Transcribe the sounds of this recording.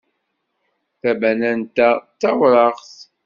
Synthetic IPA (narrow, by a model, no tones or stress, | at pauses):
θæbænænt̪æt̪ːæwɾˤɑʁθ